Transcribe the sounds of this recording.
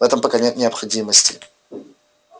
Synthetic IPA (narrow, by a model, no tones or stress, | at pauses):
vɛt̪əmpəkanʲet̪nʲɪɐpxɐdʲiməsʲtʲɪ̰